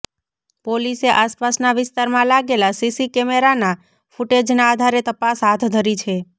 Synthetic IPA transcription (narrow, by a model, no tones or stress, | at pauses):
poliseʔaspasnaʋɪst̪aɾmãlaɡelasisikɛmeɾana | fuʈed͡ʒnaːd̪ʱaɾet̪əpasɦat̪ʰd̪ʱəɾit͡ʃʰe